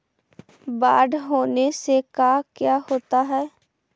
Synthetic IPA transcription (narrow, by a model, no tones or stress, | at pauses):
baːɖɦoːnesekaːkjaːhoːt̪aɦɛː